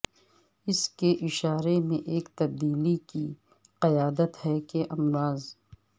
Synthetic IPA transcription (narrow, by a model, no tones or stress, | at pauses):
ɪskeʔɪʃaːɾemẽʔeːkt̪ɐb̚d̪iːliki | qɐjaːd̪ət̪hɛkeʔɐmɾaːz